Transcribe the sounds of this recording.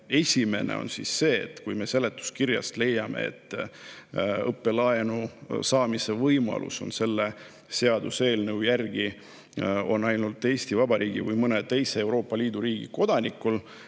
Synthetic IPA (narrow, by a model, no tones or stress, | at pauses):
e̞sʲime̞̰nḛo̞̰nsḭsːe̞ːḛt̪ːkujme̞se̞lːe̞t̪ːˑu̥skirjɑ̰st̪le̞jːɑmḛḛt̪ˑː | ɤpːe̞lɑenusɑːmise̞vɤjmɑ̰lʔṵso̞̰nse̞lːe̞ | se̞ɑd̪use̞ːlnəwjærɡ̥i | o̞nɑjnult̪ːˑe̞ːsʲt̪ivɑbɑɾʔiːɡ̥ḭvɨjmɤne̞t̪e̞jseewɾo̞ːpːˑɑliːd̪̥uɾiːɡ̥ḭko̞d̪̥ɑnʲikːul